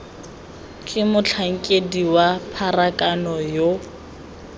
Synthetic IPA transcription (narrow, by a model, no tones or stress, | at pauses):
kʼɪmʊt͡ɬʰaŋ̩kʼediwapʰarakʼanɔjo